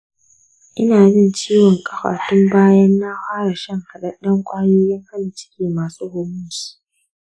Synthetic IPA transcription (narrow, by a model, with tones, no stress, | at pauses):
ʔɪ˦naː˨bɪ˦˨nt͡ʃiː˦wɔ˨ŋkʼɐ˨ɸa̰ː˨tʊ˦mbaː˦jɐ˦nːaː˦ɸaː˦ɾa˨ʃɐ˦˨ŋhɐ˨ɗɐ˦ɗɐ˦ŋkʷʼaː˦joː˦jɐ˦ŋha˦na˨t͡ʃɪ̥˦kʲeː˨maː˨suː˦hʊː˦mʊ˦si̥˦